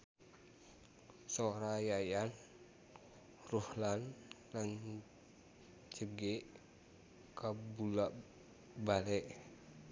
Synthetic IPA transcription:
soɾajajan | ruhlan | lan | t͡ʃəɡeʔ | kabulaʔ | balɛʔ

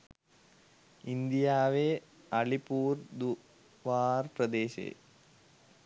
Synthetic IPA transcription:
ind̪ijaːʋe | ɐɭipuːɾd̪u | ʋaːɾpɾɐd̪eːʃḛː

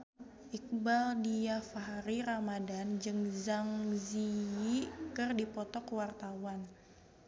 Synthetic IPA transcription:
ʔik̚baldiafaɦɾiɾamadand͡ʒɨŋzaŋziikɨrdipɔt̪ɔkəwart̪awan

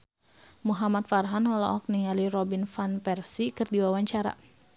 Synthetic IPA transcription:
muɦamat̪̚farɦanhɔlɔ̰ʔɔk̚niŋaliɾɔbinfanpɛrsikɨrdiwawaɲt͡ʃaɾa̰

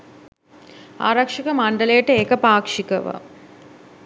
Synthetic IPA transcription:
a̰ːɾɐkʂikəmaɳɖəlejəʈəekəpaːkʂikəʋa̰

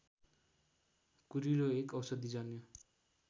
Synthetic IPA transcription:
kuɾiɾoekʌwsʌd̪id͡zʌnjo

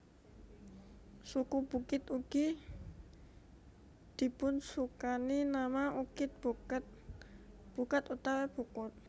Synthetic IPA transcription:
sukub̥ukɪt̪uɡ̥i | d̪̥i̤pʊnsukaninamaʔukɪt̪̚bt̪ | b̥ukat̪ut̪awab̥ukʊt̪̚

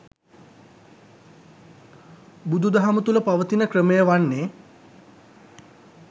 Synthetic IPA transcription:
bud̪ʱud̪aɦamət̪uləpaʋət̪inəkrəmejəʋanːeː

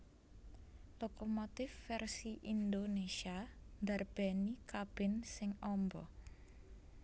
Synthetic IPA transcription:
lokomot̪ɪfːɛrsiʔind̪onesiand̪arb̥ɛnikab̥ɪ̤nsɪŋɔmbɔ

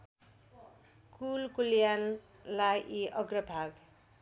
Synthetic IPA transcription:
kulkuljan | lajʔiʔʌɡrʌbʱaɡ

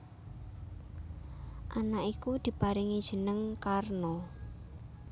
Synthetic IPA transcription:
ʔanaʔikud̪̥i̤paɾɪŋid̥ʒ̥ə̤nəŋkarno

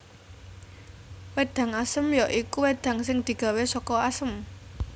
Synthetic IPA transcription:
wed̪̥ä̤ŋasəmjɔʔikuwed̪̥ä̤ŋsɪŋd̪̥i̤ɡ̥a̤wesɔkɔasəm

